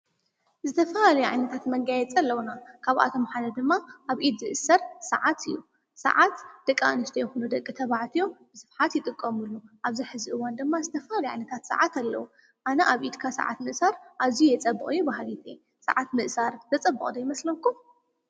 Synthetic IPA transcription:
zɨt̪ʰɐfɐhalɐjʕa̰jnɐt̪ʰat̪mɐŋɡajɛt͡sʼɐlːɐwnakʰaβʔa̰t̪ʰo̞mħanɐd̪ɨmːaʔaβʔid̪zɨʔɨsɐɾsɐ̰ʕat̪ʰɨjːu | sɐ̰ʕat̪d̪̥ɐkʼːa̰nɨʃt̪ʰɐjɛxunud̪ɐkʼːit̪ʰɐβaʕt̪ʰijo̞b̥ɨsɨfħat̪jɪt̪ʼɨkʼːɐmɨlːuʔaβziħɨzɨʔɨwand̪ɨmːazɨt̪ʰɐfɐhalɐʕa̰jnɐt̪ʰat̪sɨ̰ʕat̪ʰalːɐ̰wu | ʔanɐʔaβʔid̪kʰasa̰ʕa̰t̪mɨʔsaɾʔaβzijjɛt͡sʼɐbːɨχʼɨjːubaɦlit̪ʰe | sa̰ʕat̪mɨʔsaɾzɐt͡sʼɐbːɨχʼd̪ɐjmɐslɐmkʰːu

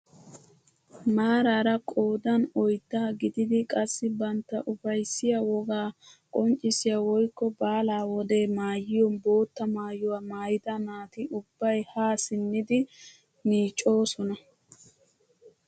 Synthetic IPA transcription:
maːɾaːɾɐkʼo̞ːd̪ɐnɔjd̪ːaːɡɪd̪ɪd̪ɪkʼɐsːɪbɐnt̪ːɐʔʊfɐjsːɪjawɔɡaːkʼɔnt͡ʃʼːɪsɪjawɔjkːɔbaːlaːwɔd̪e̞ːmaːjɪjɔnbo̞ːt̪ːɐmaːjʊwaːmaːjɪd̪ɐnaːt̪ɪʔʊbːɐjhaːsɪnːɪd̪ɪ | niːt͡ʃʼːo̞ːsɔnɐ

